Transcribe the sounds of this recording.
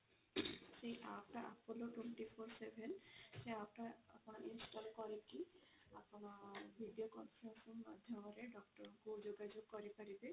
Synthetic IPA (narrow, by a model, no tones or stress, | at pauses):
sejʔapʈaʔapʰɔloʈweɳʈipʰoɾsebʱenseap̚ʈaapɔnaʔinsʈalkɔɾeki | apɔnabʱiɖijokɔnpʰɾensɔnma̰d̪ʱjɔmɔɾeɖɔkʈɔɾɔkud͡ʒoɡad͡ʒoɡ̚kɔɾipaɾibe